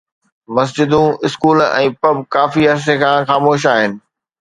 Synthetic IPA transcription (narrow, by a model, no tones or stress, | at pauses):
mɐs̬d͡ʑɪd̪ũɪskuːlɛ̰̃ːpɐbkaːfiɐs̬ekʰãːxaːmoːʃ̬aːɦɪnɪ̆